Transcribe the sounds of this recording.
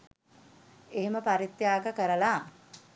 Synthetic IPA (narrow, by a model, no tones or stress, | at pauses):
eɦeməpaɾit̪jaːkəkəɾəla